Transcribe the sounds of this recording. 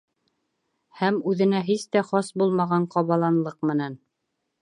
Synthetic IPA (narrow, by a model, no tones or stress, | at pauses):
hæmʉðɘ̆næɦist̪æχɑsbulˠmɑʁɑɴqɑβɑlˠɑnlˠɤqmɘ̆næn